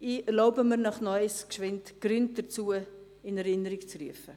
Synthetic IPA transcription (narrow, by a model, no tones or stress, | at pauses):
iːɛɾloʊbəməɾnɑχnɔʏskʃvɪntɡ̥rʏnt̚d̥ət͡suə | ɪnɛɾɪnəɾikt͡sryəfə